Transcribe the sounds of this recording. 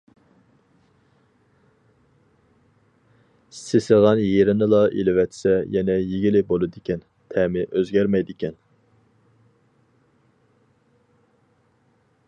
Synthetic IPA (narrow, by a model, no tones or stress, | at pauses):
sɪsɪʁɑnjeɾɪnɨlˠɑʔḭlɪwɛt̪sɛjɛnɛjeɡʲilɪbolˠɨd̪ɪkʲʰɛn | t̪ʰɛmɪʔøzɡʲɛɾmɛjd̪ɪkʲɛn